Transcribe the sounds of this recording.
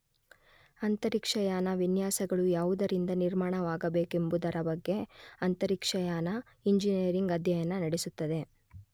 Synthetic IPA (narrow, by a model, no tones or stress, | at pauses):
ɐnt̪ɐɾikʂɐjaːnɐʋinjaːsɐɡɐɭujaːʋud̪ɐɾind̪ɐniɾmaːɳɐʋaːɡɐbe̞ːke̞mbud̪ɐɾɐbɐɡːe̞ɐnt̪ɐɾikʂɐjaːnɐ | iɲd͡ʒiniɐɾiŋɡɐd̪ʱjɐjɐnːɐnɐɽesut̪ːɐd̪e̞